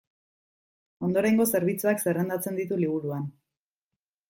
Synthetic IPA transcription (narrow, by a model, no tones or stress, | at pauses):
o̞nd̪o̞ɾejŋɡo̞se̞ɾβ̞it͡suakse̞rend̪at͡se̞nd̪it̪uliβuɾuan